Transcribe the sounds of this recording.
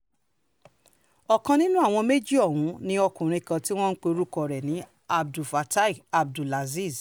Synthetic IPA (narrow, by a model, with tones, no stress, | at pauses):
ɔ˨kã˧nĩ˦nũ˦a˦˨w̃ɔ̃˧me˦d͡ʒi˦ɔ˦˨wũ˨˦nĩ˧ɔ˧kũ˨ɾ̃ĩ˧kã˧ti˦w̃ɔ̃˦n̩˦k͡pe˧o˧ɾu˦kɔ˧ɾɛ˨nĩ˨˦ | a˧bdu˨fa˨˧ta˦i˨a˧b̚du˨la˨zi˦˨z